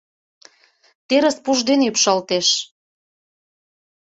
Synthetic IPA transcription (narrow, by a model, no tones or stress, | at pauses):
t̪eɾə̆spuʒd̪enypʃɑlt̪eʃ